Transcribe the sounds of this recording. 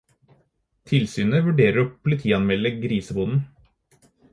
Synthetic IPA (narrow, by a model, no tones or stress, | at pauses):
t̪ʰɪlsyːnəʋʉɖeːɾəɾɔpʰʊlɪt̪ʰiːɑnmɛlːəɡɾiːsəbuːd̪n̩